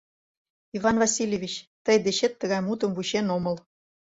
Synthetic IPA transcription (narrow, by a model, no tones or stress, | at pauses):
ivɑnvɑsʲilʲevʲit͡ɕt̪əjd̪eɕet̪ːəɣɑjmut̪ə̆mvut͡ɕenoməl